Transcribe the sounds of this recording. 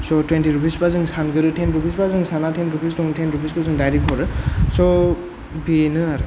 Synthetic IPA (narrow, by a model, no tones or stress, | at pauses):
sɔtwentiɾupʰisbazɯŋsanɡɯɾɯtʰenɾupʰisbazɯŋsanatʰenɾupʰisdɔŋtʰenɾupʰiskɯzɯŋdajɾekʰɔɾɯsɔ | binɯaɾɯ